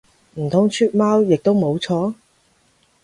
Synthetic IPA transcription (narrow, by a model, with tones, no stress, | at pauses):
m̩˨˩t̪ʰʊ˨˥ŋt͡ʃʰyː˥t̚maː˥wjɪ˨k̚t̪o˥wmo˨˧wt͡sʰɔː˨˥